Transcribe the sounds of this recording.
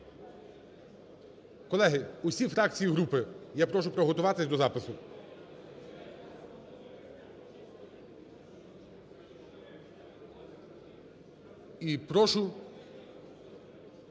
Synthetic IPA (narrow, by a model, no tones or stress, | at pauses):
kɔlˠɛɦɪʊsʲifɾɑk̚t͡sʲijiɦɾupɪjapɾɔʃ̬ʊpɾɔɦɔt̪ʊʋɑt̪ɪsʲd̪ɔzɑpɪsʊ | ipɾɔʃʊ